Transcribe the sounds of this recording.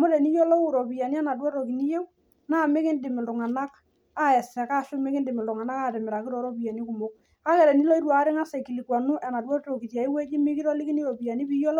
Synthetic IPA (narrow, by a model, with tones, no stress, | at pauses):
mɔ˦dɛ˨ni˦jɔ˦lɔ˦u˨ɾɔ˨pi˨ja˨ni˦ɛ˦na˨dwɔ˦ɾo˨ki˨ni˦je˦ | na˦˨mɪ˦kɪ˦ndɪ˨mɪ˨ltʊ˨ŋa˨na˦k | a˦ɛ˨sɛ˨kaː˦˨ʃʊ˦me˦kɪ˦ndɪ˨mɪ˨ldʊ˨ŋa˨na˦kaː˦˨tɪ˨mɪɾa˨kɪ˦ɾɔ˨˦ɾo˦pi˨a˨ni˦kʊ˨mo˦k̚ | a˦kɛ˨ɾɛ˨ni˦lɔ˦i˦ɾwa˨˦ɾɪ˦ŋa˦sɛ˨ki˨li˨kwa˨nʊ˦ʔɛ˨na˨dwɔ˦to˨ki˨ta˨i˦we˦d͡ʒi˦mɪ˦kɪ˦ɾɔ˦lɪ˦kɪ˦ni˦ɾo˨pi˨ja˨ni˦pi˦jo˦lɔ˦